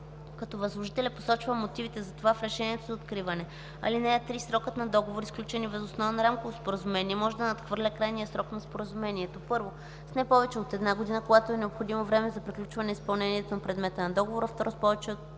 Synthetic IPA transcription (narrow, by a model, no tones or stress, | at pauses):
kɐt̪ɔvɐzlˠoʒit̪ɛlʲɛpo̥sɔt͡ʃvəmot̪ivit̪ɛzɐt̪ovafɾɛʃɛniɛt̪ozɐot̪kɾivɐnɛ | ɐ̰linɛət̪ɾisɾɔkət̪nɐd̪ɔɡovoɾisklʲut͡ʃɛnivɛzosnɔvənɐɾamkovospoɾəzumɛniɛmɔʒɛd̪ɐnɐt̪xvɤɾlʲəkɾajnijəsɾɔknɐspoɾəzumɛniɛt̪opɤɾvo | snɛpɔvɛt͡ʃɛot̪ɛd̪naɡod̪inəkoɡat̪oɛnɛopxod̪imovɾɛmɛzɐpɾiklʲut͡ʃvɐnɛispɐlˠnɛniɛt̪onɐpɾɛd̪mɛt̪ənɐd̪ɔɡovoɾɐft̪ɔɾospɔvɛt͡ʃɛot̪